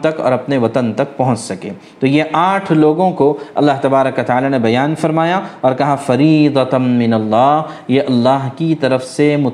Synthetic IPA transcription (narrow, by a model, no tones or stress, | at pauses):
t̪ɐkɔ̰ːɾɐpneʋɐt̪ənt̪ɐk̚pɐɦʊ̃t͡ʃsɐkḛː | t̪oːjeʔaːʈʰloːɡõkoɐ̰lːaɦt̪ɐbaːɾəkʋɐt̪aːlanebɐjaːnfɐɾmaːjaɔːɾkɐɦãfɐɾiːd̪ɐmɪnɐlːaːɦjeʔɐlːaːɦkit̪ɐɾəfsemʊ